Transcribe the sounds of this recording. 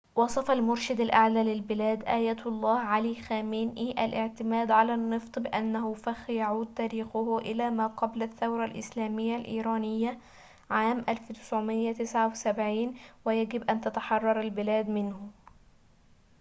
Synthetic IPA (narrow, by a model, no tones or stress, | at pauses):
wɑsˤɑfɑlmʊɾʃɪd̪alʔaʕlaːlɪlbɪlæːd̪ʔæːjæːt̪ɑlˤːɑːhʕaliːxæːmiːnʔiːʔalʔɪʕt̪ɪmæːd̪ʕalaːnːɨft̪ˤbɪʔanːahʊfaxjaʕuːd̪̚t̪æːɾiːxʊhʊʔɪlaːmaːqɑblaθːawɾˤɑlʔɪ̰slæːmɪjːalʔḭːɾˤɑːnɪjːa | ʕaːmʔalft̪ɪ̥sʕʊmɪjːat̪ɪsʕawɪsabʕiːnwɪjaɡɪbʔant̪at̪aħɑrˤːɑɾˤalbɪlæːd̪mɪnhʊ